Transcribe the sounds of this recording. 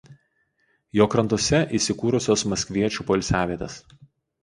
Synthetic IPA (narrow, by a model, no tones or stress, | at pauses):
joːkɾɐnt̪uɔsʲɛʔiːˑsʲɪkuːɾʊsʲoːsmɐsʲkʋʲiɛt͡ʃʲuˑːpolʲsʲæːʋʲiɛt̪ʲes